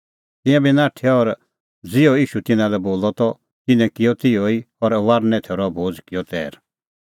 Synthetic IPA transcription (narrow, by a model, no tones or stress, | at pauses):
t̪ɪ̃jãbinaːʈʰjɔɔɾ | d͡zɪjɔiːʃut̪ɪnãlɛboːlɔt̪ɔ | t̪ɪnɛ̃kɪjɔt̪ɪɔi | ɔɾʋaɾnɛ̃t̪ʰeɾɔbʱoːd͡zkɪjɔt̪ɛ̰ːɾ